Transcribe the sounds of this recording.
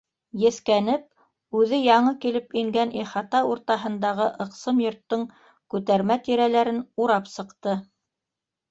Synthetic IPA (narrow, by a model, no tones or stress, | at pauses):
jɘ̆θkænɘp̚ | ʉðɘjɑɴɤkilɘpiŋɡænʔiχɑt̪ɑuɾt̪ɑɦɤ̆nd̪ɑʁɤʔɤ̆qsɤmjŏɾt̪ːɤŋ | kʉt̪æɾmæt̪iɾælæɾɘnuɾɑpsɤ̆qt̪ɤ